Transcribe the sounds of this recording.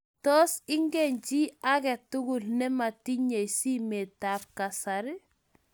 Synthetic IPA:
tɔsiŋɡeɲt͡ʃiaɡɛtːuɡulnɛmatiɲejsimetafkasaɾ

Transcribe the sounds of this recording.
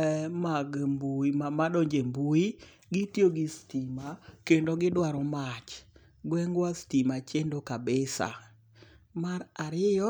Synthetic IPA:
maɡmbuimamadoɲd͡ʒembui | ɡitjoɡɪstimakendoɡɪdwaɾɔmat͡ʃ | ɡwɛŋɡwastimat͡ʃendokabɪsa̰ | maɾaɾɪjɔ

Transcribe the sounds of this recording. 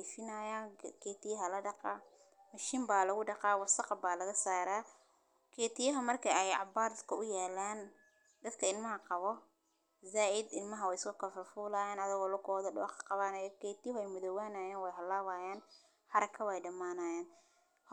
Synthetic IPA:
fɪnaːjaːnkʰeːt̪ɪjɐɦɐlɐɖɑqɑ | mɐʃiːmbaːlɐɣʊɖɑqɑːwɑsɐqɑbaːlɐɣɐsaːɾaː | kʰeːt̪ʰɪjɐɦɐmɐrkʰɐɛjɑ̰baːɾd̪kʰɐʔʊjaːlaːn | d̪ɐd̪kʰɐɪlmɐɦɐqɑβɔ | zaːʔɪd̪ɪlmɐɦɐwɛjɪskʰʊkʰɐfɐfuːlaːjaːnɐðɪɣɔːlʊkʰɔːðɔɖʊqɐ̥qɑβaːnɐjkʰeːt̪ɪjɦɛjmʊðɔwaːnaːjaːnwɛjɦɐlaːwaːjaːn | ħɑɾɐkʰːɐwɛjɖɐmaːnaːjaːn

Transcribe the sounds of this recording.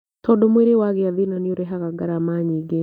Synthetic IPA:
tɔdomweɾewaɣeaðinanoɾɛɦaɣaɡaɾamaɲiːɡe

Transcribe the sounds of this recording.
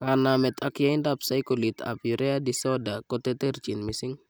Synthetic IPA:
kanamɛt̪ʰakjaɪndapsajkolit̪a̰pjuɾɛadisɔdakɔt̪ɛt̪ɛrt͡ʃinmisɪŋ

